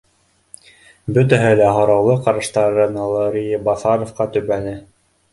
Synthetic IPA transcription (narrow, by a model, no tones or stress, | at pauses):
bɵt̪æɦɘlæɦŏɾɑwlˠɤqɑɾɤ̆ʃt̪ɑɾɤnolˠoɾʲijbɑθɑɾofqɑt̪ɵ̆βænɘ